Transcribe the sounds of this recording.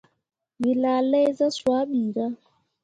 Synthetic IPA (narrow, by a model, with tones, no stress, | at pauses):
mi˨la˨lɛ˦jza˦swa˨˦ɓiː˨ɡa˦